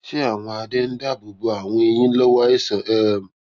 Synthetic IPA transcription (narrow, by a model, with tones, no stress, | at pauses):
t͡ʃɪ˦a˨ŋʷa˨dɪ˦n̩˦da˦˨bu˨bu˦a˨ŋʷe˦ɲi˦lo˦wa˦i˦sə˨ʔe˦˨m̩˨